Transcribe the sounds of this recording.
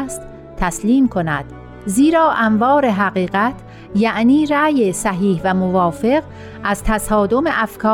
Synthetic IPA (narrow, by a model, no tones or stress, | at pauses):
st̪ | t̪ʰæsliːmkʰo̞næ̰d̪̥ | ziːɾɒːʔæmvɒːɾeɦæɣiːɣæt̪ʰ | jæʔniːɾæːjesæɦiːhvæmovɒːfe̞ɣ | ʔæzt̪ʰæsɒːd̪o̞meʔæfkʰɒː